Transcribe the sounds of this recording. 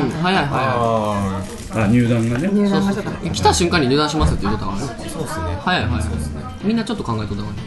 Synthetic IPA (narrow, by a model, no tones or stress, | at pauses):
ɯ̃hajaiɦaja | aɲɨːd̪ãŋɡanesosoekʲi̥t̪aɕɨ̃ŋkãɲ̟ːiɲʲɨːd̪ãɕimasɨt̪ːejɯ̟kot̪oɡaɾ | sosnehajaiɦajha̰ne | mʲĩnːat͡ɕo̞t̪ːo̞kãŋɡaet̪ekot̪aman